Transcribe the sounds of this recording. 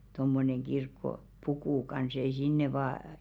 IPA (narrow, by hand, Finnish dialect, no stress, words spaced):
tomːoneŋ ɡ̊irkːopukuˑ kɑns ei sinːe ʋɑː